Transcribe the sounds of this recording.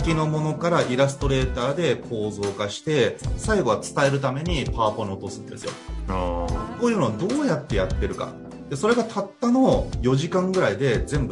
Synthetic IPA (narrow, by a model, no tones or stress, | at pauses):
kʲino̞mo̞no̞kaɾaʔiɾasɨ̥t̪o̞ɾe̞ːt̪aːd̪e̞kʰo̞ːzo̞ːkaɕi̥t̪e̞saiɡo̞βat͡sɨ̥t̪ae̞ɾɯ̟t̪̬ame̞ɲ̟ipaːpo̞ɲ̟io̞t̪o̞sɨ̃nd̪e̞sɨjo̰ | koːjɯ̟ːno̞ad̪o̞ːjat̪ːe̞jat̪ːe̞ɾɯ̟ka̰ | d̪̥eso̞ɾe̞ɡat̪ʰat̪ːano̞jo̞ʑikãŋɡɯ̟ɾaid̪e̞zẽ̞mbɯ